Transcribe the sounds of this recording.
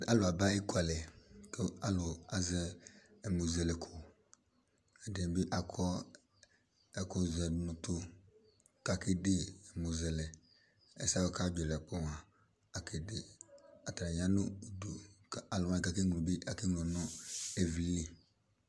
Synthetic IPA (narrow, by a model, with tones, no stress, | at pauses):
a˦lʊ˨a˨ba˦i˦kʰʷa˨lɛ˨ke˦a˦lʊ˨a˨zɛ˦ɛ˨mo˨zɛ˨lɛ˨kʰʊ˨ | a˨de˨bi˦ʔa˨kʰɔ˦ | ɛ˨ko˦zɛ˨nʊ̃˨tʊ˦ | ka˨ki˦dɪ˦ɛ˨mo˨zɛ˨lɛ˨ | ɛ̰˦sa˦wo˨ka˦bɛ˨ɾɛ˨k͡pɔ˦wa˨ | a˨kʰe˨de˨a˨tɾa˨ɲ˦ã˦nʊ˦˨du˨a˨lʊ˨wa˦i˨ka˦ki˦ŋ˨ũ˨bi˦ʔa˨ki˦ŋ˨ɔ˨nɔ̃˦e˨vi˨le˨